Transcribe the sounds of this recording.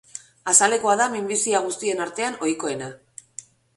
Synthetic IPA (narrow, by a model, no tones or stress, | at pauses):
asale̞ko̞aðamimbisiaɣ̞ust̪ie̞naɾt̪e̞ano̞jko̞e̞na